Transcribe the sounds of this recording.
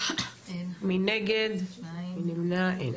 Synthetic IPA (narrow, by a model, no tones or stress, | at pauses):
minɛɡed̪minimnaḛ